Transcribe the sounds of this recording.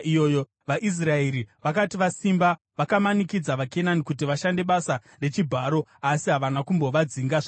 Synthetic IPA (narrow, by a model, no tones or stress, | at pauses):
ijoːjo | ʋaʔis̬raeɾiʋakatiʋasimba | ʋakamanikid͡zaʋake̞nanikut̬iʋaʃande̞ɓasa | re̞t͡ʃibʱaːɾo̞asiɦaʋanakumbo̞ʋad͡ziŋɡaʐa